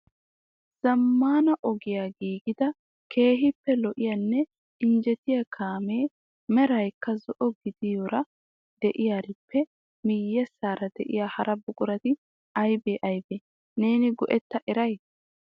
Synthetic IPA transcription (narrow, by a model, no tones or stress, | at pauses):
z̥ɐmːaːnɐʔɔɡɪjaːɡiːɡɪd̪ɐ | kʰe̞ːɦɪpːɛlɔʔɪjɐnːɛ | ɪnd͡ʒɛt̪ɪjɐkʰaːmeː | mɛɾɐjkːɐzɔʔɔɡɪd̪ɪjɔɾɐ | d̪ɛʔɪjaːɾɪpʰːɛ | mɪjːɛsːaːɾɐd̪ɛʔɪ̰jaːhɐɾɐbʊkʼʊɾɐt̪ɪ | ɐjbeːʔɐjbeː | ne̞ːnɪɡɔʔɛt̪ːɐʔɛɾɐj